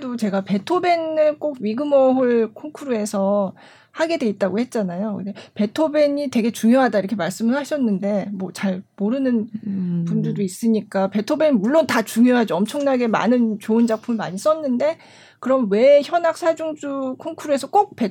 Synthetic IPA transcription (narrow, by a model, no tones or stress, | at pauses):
dot͡ɕe̞ɡape̞tʰobe̞nɯɭk͈oɡɥiɡɯmʌɦuɭkʰoŋkʰuɾue̞sʰʌ | haɡe̞dwe̞it̚t͈aɡohe̞t̚t͡ɕ͈anajoɯndepe̞tʰobe̞ɲitwe̞ɡe̞t͡ɕuŋjoɦadaiɾʌkʰemaɭs͈ɯmɯɭɦaɕʰʌnːɯnde̞mwʌt͡ɕaɭmoɾɯnɯnpundudois͈ɯɲik͈ape̞tʰobe̞nimuɭːontat͡ɕuŋjoɦad͡ʑiʌmt͡ɕʰʌŋnaɡe̞ma̰nɯnt͡ɕoɯnd͡ʑak̚pʰumiɭmaɲis͈ʌnːɯnde̞ | kɯɾʌmwe̞çjʌnak̚s͈ʰad͡ʑuŋd͡ʑukʰoŋkʰuɾue̞sʰʌk͈ok̚pe